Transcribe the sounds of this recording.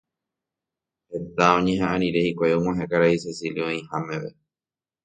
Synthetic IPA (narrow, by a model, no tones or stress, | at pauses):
he̞t̪aõɲẽɦãʔãɾ̃ĩɾe̞hikʷajoŋʷwãɦẽkaɾaisesiliõĩhãmẽ̞ʋe